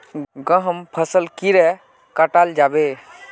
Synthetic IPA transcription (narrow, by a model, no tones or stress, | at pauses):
ɡə̃ɦəmpʰəsəlkiɾɛ | kəʈald͡ʒabe